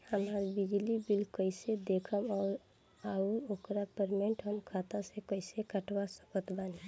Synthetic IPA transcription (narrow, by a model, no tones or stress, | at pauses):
həmaɾbid͡ʒlibilkəɪsed̪ekʰəmɔːɾ | auɾokɾapəɾmẽɳʈɦəmkʰat̪asekəɪsekəʈwasə̥kət̪bani